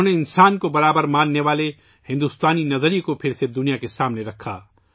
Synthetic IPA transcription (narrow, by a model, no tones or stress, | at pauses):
neɪnsaːnkobɐɾaːbəɾmãːnːeʋaːle | hɪ̃nd̪ust̪aːninɐzəɾikopʰɪɾsed̪ʊnijakesaːmneɾɐkʰːa̰ː